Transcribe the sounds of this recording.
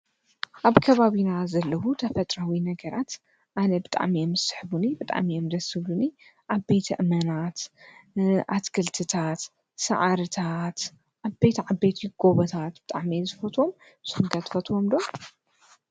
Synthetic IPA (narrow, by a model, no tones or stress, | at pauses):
ʔaβkʰɐβaβinazɐlːɐwut̪ʰɐfɐt̪ʼɾawinɐɡɐɾat̪ | ʔanɐbɨt̪ʼa̰ʕmiɛmzɨsɨ̥ħβunibɨt̪ʼa̰ʕmiɛmd̪ɐsɨβuni | ʔaβbejt̪ʰɐʔɨmɐnat̪ | ʔat̪kʰɐlt̪ʰɨt̪ʰat̪ | sɐ̰ʕaɾɨt̪ʰat̪ | ʔabejt̪ʰʕabːejt̪ʰiɡ̥oβɐt̪ʰat̪b̥ɨt̪ʼa̰ʕmizɨfɐt̪ʰwo̞m | zɨhuŋɡɐt̪fɐt̪ʰwomd̪o